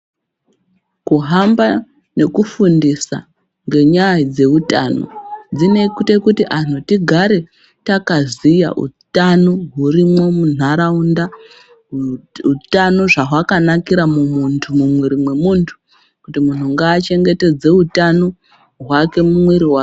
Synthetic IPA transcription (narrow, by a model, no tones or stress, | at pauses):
kuɦamba | ne̞kufundisa̰ | ŋɡe̞ɲaid͡ze̞utano̰d͡zine̞kute̞kutiʔan̥̤utiɡʱaɾe̞ | takazija̰ʔṵtanoɦurimwo̞mun̤aɾaunda | utano̞ʐaɦwakanakiɾamumuntʰumumwiɾimwe̞muːntʰu̥ | kutimun̤uŋɡaːt͡ʃe̞ŋɡe̞te̞d͡ze̞utano̞ | ɦwake̞mumwiɾiɦwa